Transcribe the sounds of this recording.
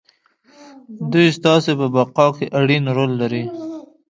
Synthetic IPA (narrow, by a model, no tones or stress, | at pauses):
d̪ujst̪ɑsepəbaqɑkeʔaɽinɾolːaɾi